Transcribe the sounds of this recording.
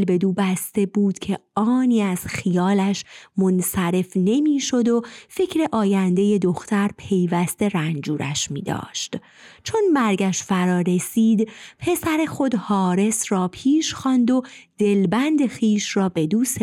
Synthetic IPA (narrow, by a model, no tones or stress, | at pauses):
lbe̞d̪uːbæst̪e̞buːd̪̥cʰe̞ɒːniːæz̥xijɒːlæʃmonsæɾe̞fne̞miːʃo̞d̪o̞fe̞cʰɾeʔɒːjænd̪e̞je̞d̪o̞xt̪ʰæɾpʰe̞jvæst̪e̞ɾænd͡ʒuːɾæ̰ʃmḭːd̪ɒ̰ːʃt̪ | t͡ʃʰonmæɾɡæʃfæɾɒːɾe̞siːd̪pʰe̞sæɾe̞xo̞d̪hɒːɾe̞sɾɒːpʰiːʃxɒnd̪o̞d̪̥e̞lbænd̪e̞xiːʃrɒːbe̞d̪uːse